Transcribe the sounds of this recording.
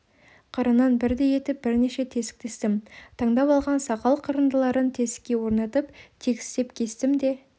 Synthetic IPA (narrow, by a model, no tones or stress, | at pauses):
qʰɑɾənɑnbɪɾd̪e̞je̞t̪ɪp̚bɪɾne̞ʃe̞t̪ʰe̞sɪ̥k̚t̪e̞st̪ɪmt̪ʰɑɴd̪ɑpɑlˠʁɑnsɑqɑlˠqʰəɾənd̪əlˠɑɾənt̪ʰe̞sɪ̥kʲːe̞wo̞ɾnɑt̪əpt̪ʰe̞kʲɪst̪e̞pkʲʰe̞st̪ɪmd̪e̞